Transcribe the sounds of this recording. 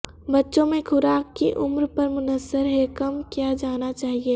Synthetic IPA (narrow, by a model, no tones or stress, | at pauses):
bɐtːʃõmẽkʰʊɾaːkːiʔʊmɾpɐɾmʊnəzːəɾɦɛkɐmkjaːd͡ʒaːnat͡ʃaːɦieː